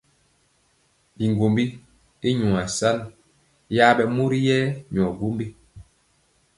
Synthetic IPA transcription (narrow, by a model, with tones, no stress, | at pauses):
bi˨ŋɡo˨mbi˦ | i˦ɲu˨a˨sa˦n | ja˦ɓɛ˨mu˦ɾi˦jɛ˦ɲɔ˨ɡu˦mbi˦